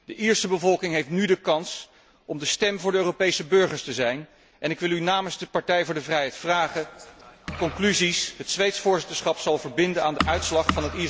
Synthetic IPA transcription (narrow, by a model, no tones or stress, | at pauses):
d̥əʔiːɹsəbəvɔlˠkɪŋɦejftnydəkɑns | ɔmdəstɛmvʊːɹdəøːropejsəbɵɹχəɹstəzɛjn | ʔɛnɪkʋɪlˠynaːmənzdəpɑɹtɛjvʊːɹdəvrɛjɦɛjtfraːχə | kɔŋklyzisɦətsʋejtsfʊːɹzɪtəɹsχɑpsɑlˠvəɹbɪndənaːndəʔœɥtslɑχfɑnɦətiː